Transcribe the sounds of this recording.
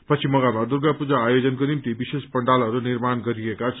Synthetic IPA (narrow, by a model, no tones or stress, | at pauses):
pʌt͡sʰimʌɡamad̪urɡapud͡zaːjod͡zʌnkonimt̪ibisespʌɳɖalɦʌɾunirmanɡʌɾiekat͡sʰ